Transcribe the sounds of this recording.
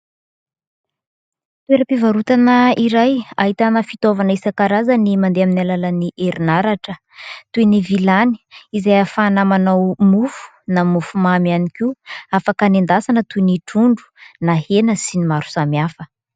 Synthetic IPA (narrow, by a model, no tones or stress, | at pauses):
t̪ueɾəpivaɾut̪anəiɾajaɦit̪anafit̪ovanəisakaɾazənimand̪eaminalalaniʔeɾinaɾaʈ͡ʂə | t̪ujnivilani̥izajafanamanawmufu̥ | namufumamianikiafakanend̪asanət̪uiniʈ͡ʂuɳɖ͡ʐu̥nahenəsinimaɾu̥samiafə